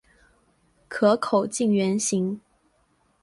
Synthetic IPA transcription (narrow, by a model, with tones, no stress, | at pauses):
kʰɤ˧˥kʰo˨˩ʊt͡ɕi˥˩ŋɥɛ˧˥nɕi˧˥ŋ